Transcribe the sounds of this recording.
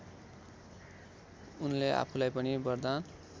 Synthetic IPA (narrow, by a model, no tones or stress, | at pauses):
unlea̰pʰulajpʌɽibʌrd̪an